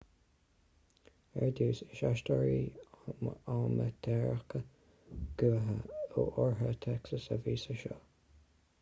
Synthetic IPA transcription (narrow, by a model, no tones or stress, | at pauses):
ɛɹd̪uːsɪʃaʃtɔɹiː | aːmət̪ʰɛɹəkə | ɡ̥uːɦəoʔɔɹɦət̪ʰɛksəsə̰viːsəʃo